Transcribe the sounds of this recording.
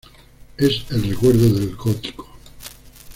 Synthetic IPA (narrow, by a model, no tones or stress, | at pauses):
eselrekweɾðoðelɡot̪i̥ko̥